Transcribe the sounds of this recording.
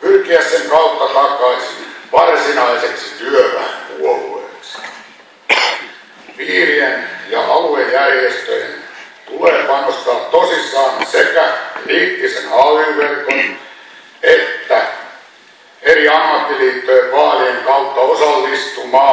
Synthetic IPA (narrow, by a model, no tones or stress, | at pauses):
pyrkiæsseŋkɑut̪ːɑt̪ɑkɑisinʋɑrsinɑiseksit̪yøʋæŋkuolueksi̥ | ʋiːrienjɑʔɑluejjærjest̪øjḛnt̪uleːpɑnost̪ɑːt̪t̪osisːɑːnsekæliːt̪ːisenɑliʋʋerkon | et̪ːæ | eriɑmːɑt̪ːiliːt̪ːojeʋʋɑːlieŋkɑut̪ːɑosɑlːist̪umɑː